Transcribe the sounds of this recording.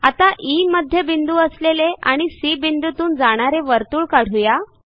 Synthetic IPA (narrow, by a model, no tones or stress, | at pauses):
at̪aʔiməd̪ʱjebind̪uəsleleʔaɽ̃isibind̪ut̪uːnd͡zaɽ̃aɾeʋəɾt̪uːɭkaɽ̤uja